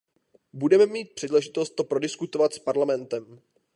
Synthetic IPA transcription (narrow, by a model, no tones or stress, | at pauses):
budɛmɛmiːt̪̚pr̝̥ɛdlɛʒɪt̪o̞st̪ːo̞pɾo̞dɪskut̪o̞vat̪spaɾlamɛnt̪ɛm